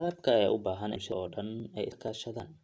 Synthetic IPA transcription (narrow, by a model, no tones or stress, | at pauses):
ɐðɐb̚kʰɐɛːʔʊbaːɦɐnɪ̰mʃɐʔɔːɖɐnɛjɪskʰaːʃɐðaːn